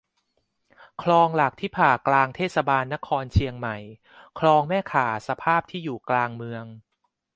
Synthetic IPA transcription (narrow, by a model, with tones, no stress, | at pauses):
kʰlɔː˧ŋla˨˩k̚t̪ʰiː˥˩pʰaː˨˩klaː˧ŋt̪ʰeː˥˩t̪̚sa˧baː˧nːa˦˥kʰɔː˧nt͡ɕʰi˧əŋma˨˩j | kʰlɔː˧ŋmɛː˥˩kʰaː˩˦sa˧pʰaː˥˩p̚t̪ʰiː˥˩juː˨˩klaː˧ŋmɯ˧əŋ